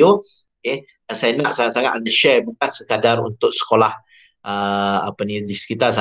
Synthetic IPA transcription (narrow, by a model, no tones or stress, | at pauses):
o | oke | sajanaʔsaaʔsaŋa̰t̪andəʃɛbukansəkadaɾṵnt̪ʊk̚sə̥kolah | ʔəa̰panidisə̥kit̪as̬a